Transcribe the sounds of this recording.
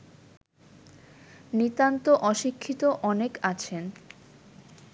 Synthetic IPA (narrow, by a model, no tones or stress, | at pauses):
nit̪ant̪oʔɔʃikʰːit̪oʔɔnekat͡ɕʰen